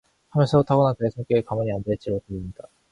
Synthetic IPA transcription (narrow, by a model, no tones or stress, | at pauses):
hamjʌnsʰʌotʰaɡonakɯesʰoŋk͈eːkamʌɲiandeɭt͡ɕ͈iɾotɯɾimɲida